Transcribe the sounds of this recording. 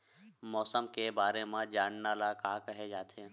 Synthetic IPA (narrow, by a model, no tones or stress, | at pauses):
mɔːsəmkebaːɾemẽd͡ʒaːɽnaːlakaːkəɦed͡ʒaːt̪ʰe